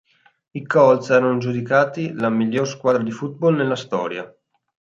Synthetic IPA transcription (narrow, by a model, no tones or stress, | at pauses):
ikɔlsɛːɾanod͡ʒud̪ikaːt̪ilamiʎːorskwaːd̪ɾad̪ifut̪̚bɔlnelːast̪ɔ̰ːɾja̰